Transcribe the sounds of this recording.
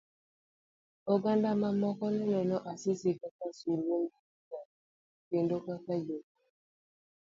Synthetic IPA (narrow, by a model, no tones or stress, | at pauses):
oɡandamamɔkɔnɛnɔnɔʔasisikakasuloŋɡiika | kendokakajok